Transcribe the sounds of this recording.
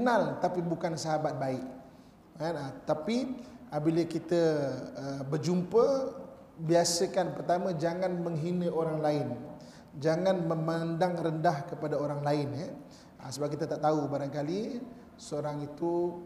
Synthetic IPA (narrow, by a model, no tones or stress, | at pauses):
kənalt̪apibukansaɦabat̪̚baɪk | anat̪apiʔabiləkit̪əəbərd͡ʒumpə | biasəkanpərt̪aməd͡ʒaŋanməŋɦinəoɾaŋlaɪn | d͡ʒaŋanməmandaŋrəndahkəpadaoɾaŋlaɪnɛ | əsəbakit̪at̪aʔt̪aubaɾaŋkali | səoɾaŋit̪u